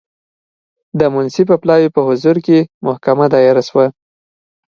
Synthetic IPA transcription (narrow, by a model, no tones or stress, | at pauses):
d̪əmʊnsip̬əplɑwipəhʊzuɾkemʊhkamad̪ɑjɪɾaswa